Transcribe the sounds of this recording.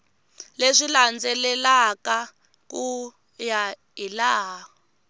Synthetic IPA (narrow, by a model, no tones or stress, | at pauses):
leʂiland͡zɛlɛlaka | ku | ja | ilaːɦɔ